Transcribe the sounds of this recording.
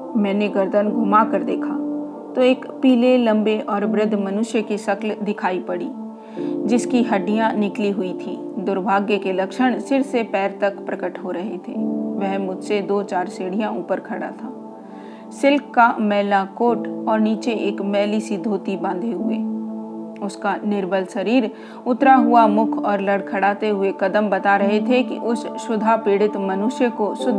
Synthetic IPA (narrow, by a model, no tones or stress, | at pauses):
mɛ̃ːneɡəɾd̪ənɡʱʊmakəɾd̪eːkʰaː | t̪oeːkpiːlelɐ̃mbeʔɔːɾʋɾɪd̪ʱmɐnʊʃjəkiʃɐkld̪ɪkʰaːipɐɽḭː | d͡ʒɪskiɦɐɖijãnɪkliɦʊit̪ʰiː | d̪ʊɾbʱaːɡjəkelɐkʃəɽ̃sɪɾsepɛːɾt̪ɐkpɾɐkəʈɦoɾɐɦet̪ʰḛːʋɛɦmʊd͡ʒʱsed̪oːt͡ʃaːɾseːɽijãuːpəɾkʰɐɽa̰t̪ʰaː | sɪlkːamɛːlakoːʈɔːɾniːt͡ʃeʔeːkmɛːlisɪd̪ʱoːt̪ibãnd̪ʱeɦʊeː | ʊskanɪɾbəlsɐɾiːɾ | ʊt̪ɾaɦʊamʊkʰɔːɾlɐɽkʰɐɽaːt̪eɦʊekɐd̪əmbɐt̪aɾɐɦet̪ʰekḭʔʊsʃʊd̪ʱapeːɽɪt̪mɐnʊʃjəkoʃʊd̪ʱ